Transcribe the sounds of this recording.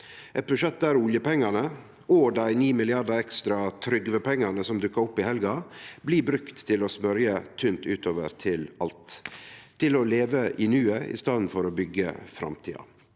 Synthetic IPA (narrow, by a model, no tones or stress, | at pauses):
ʔɛt̪̚bʉʂɛt̪̚d̪æːɾʊljəpɛŋːɑnə | oːd̪æɪniːmɪlɪɑd̪ɑɛkst̪ɾɑt̪ʰɾʏɡʋəpʰɛŋːɑnəsɔmd̪ʉkːəɾʊpːɪhɛlɡɑbliːbɾʉkt̪ʰːɪlɔsmœɾjət̪ʰynt̪ʉːt̪oːʋə̰ɾt̪ʰɪlɑlt̪ʰː | ɪlɔleːʋəʔɪnʉːəɪ̰st̪ɑd̪n̩fɔɾoːbʏɡːə̰fɾɑ̰mt̪ʰḭːɑ̰